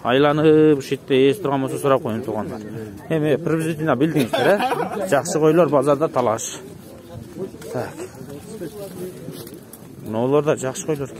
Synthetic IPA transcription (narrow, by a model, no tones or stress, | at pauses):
ɑjlˠɑnɯpʃet̪ːeest̪ʰʊɾʁɑnbososʊɾɑp̚qʰo̞junt̪ʰuɾʁɑnd̪ɑ̰ɾ | e̞mɪprebzit̪ʲinɑbɪld̪ɪŋɪzd̪eɾed͡ʒɑqsəqʰo̞jlˠoɾbɑzɑɾd̪ɑt̪ʰɑlˠɑʃ | t̪ʰak | nolˠoɾd̪ɑd͡ʒɑqʃə̥qʰojlˠoɾ